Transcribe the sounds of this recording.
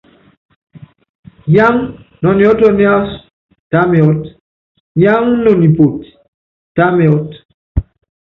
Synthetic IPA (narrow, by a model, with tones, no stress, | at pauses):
ja˦ŋnɔ˨ni˨ɔ˦tɔ˦ni˦a˦s | ta˦me˨ɔ˦t | ja˦ŋnɔ˨ni˨po˨t | ta˦me˨ɔ˦t